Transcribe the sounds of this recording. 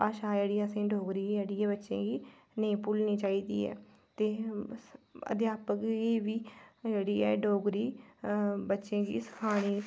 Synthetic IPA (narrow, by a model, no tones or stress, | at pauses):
paːʃaːd͡ʒeːɽiːãːsẽːɖʱoːɡɾiːeːɽiːɛ̃ːbətːʃḛ̃ːɡiː | nəĩːpʊlnĩːt͡ʃaːiːd̪ḭːɛ̰ː | t̪eː | ə̰d̪jaːpəkɡiːʋiːd͡ʒeːɽiːɛːɖʱoːɡɾiː | bətːʃẽːɡḭːsə̥kʰaːɽ̃iː